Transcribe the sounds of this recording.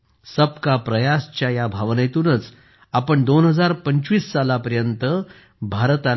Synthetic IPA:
səp̚kapɾəjast͡ɕjajabʱaʋnəjet̪uːnət͡s | apəɳd̪onɦəd͡zaɾpəɲt͡ɕʋiːsːalapəɾjənt̪ə | bʱaɾt̪a

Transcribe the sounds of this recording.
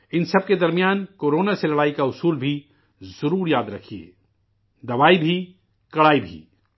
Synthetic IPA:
ɪnsɐb̚ked̪ɐɾmijaːnkoːɾoːnaselɐɽaːikaʊsuːlbʱi | zɐɾuːɾjaːd̪ɾɐkʰiḛː | d̪ɐʋaːibʱi | kɐɽaːibʱḭː

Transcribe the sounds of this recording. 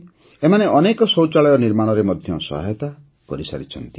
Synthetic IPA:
emaneʔɔnekɔsowt͡ʃaɭɔjɔniɾmaɽ̃ɔɾemɔd̪ʱjɔsɔ̰ɦajt̪a | pɔ̰ɾisa̰ɾit͡ʃʰɔ̰nt̪i̥

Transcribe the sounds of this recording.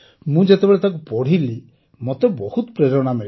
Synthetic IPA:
mũd͡ʒet̪ebeɭet̪akupɔɽ̤ili | mot̪ebɔhut̪pɾeɾɔɽ̃ame

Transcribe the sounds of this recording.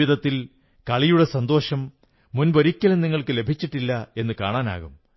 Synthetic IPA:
iðɐt̪ːil | kɐɭijuɽe̞sɐnd̪o̞ːʂɐmː | unboɾikʲːɐlmniŋːɐɭkɨle̞bʱit͡ɕːiʈːilːɐe̞nːɨka̰ːɳaːna̰ːɣum

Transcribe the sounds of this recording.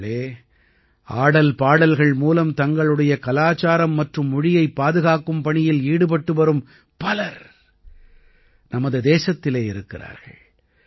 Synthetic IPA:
eː | ʔaːɽɐlpaːɽɐlɣɐɭmuːlɐmt̪ɐŋɡɐɭɯɽɐjɐkɐlaːt͡ʃaːɾɐmːɐʈrɯmːʊɻɪjɐɪpːaːðɯɣaːkːɯmpɐɳɪjɪliːɽɯp̬ɐʈːɯʋɐɾɯm | pɐlɐɾ | nɐmɐðɯd̪eːsɐt̪ːɪleːɪɾɯkːɪra̰ːɾɣɐ̰ɭ

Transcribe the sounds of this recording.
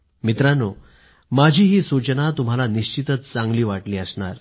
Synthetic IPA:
mit̪ɾano | mad͡ʑʱiːɦiːsut͡ɕənat̪um̤alaniɕt͡ɕit̪ət͡st͡sãŋɡliːʋaʈliːəsɳa̰ɾ

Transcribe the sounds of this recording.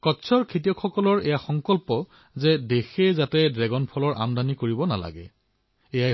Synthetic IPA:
kɔtːsʰɔɹkʰet̬iɔkxɔkɔlɔɹejaxɔŋkɔlpɔ | zɛdexejzatɛdɹɛɡɔnpʰɔlɔɹʔa̰mdanikoɹibɔna̰la̰ɡɛ̰ | eja

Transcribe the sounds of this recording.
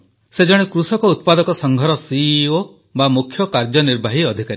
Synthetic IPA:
sed͡ʒɔɽ̃ekɾusɔkɔut̪̚pad̪ɔkɔsɔŋɡʱɔɾɔsio | bamukʰjɔkaɾd͡ʒɔniɾbʱaɦiɔd̪ʱikaɾe

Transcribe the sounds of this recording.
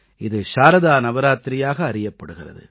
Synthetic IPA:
ɪðɯʃaːɾɐðaːnɐʋɐɾaːt̪ɾɪjaːɣɐːɾɪjɐpːɐɽɯɣɪrɐ̰ðɯ̰

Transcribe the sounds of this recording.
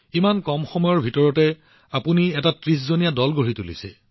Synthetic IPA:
imankɔmxɔmɔjɔɹbʱitɔɹɔtɛ | apuniɛtatɹis̬zonijadɔlɡoɹitulḭsɛ̰

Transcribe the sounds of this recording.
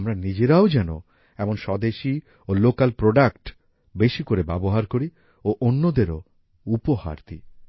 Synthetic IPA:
mɾanid͡ʑeɾaod͡ʑɛno̰ | ɛmonʃɔd̪eʃi | olokalpɾoɖakʈ | beʃikoɾebɛboɦaɾkoɾi | oʔonːod̪eɾo | upoha̰ɾt̪ḭ

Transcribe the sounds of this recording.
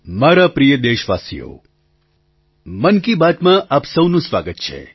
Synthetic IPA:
maːɾapɾijəd̪eːʃʋa̰ːsḭjo̰ | mənkibaːt̪mãʔaːpsəwnũsʋaːɡət̪̚t͡ʃʰḛ

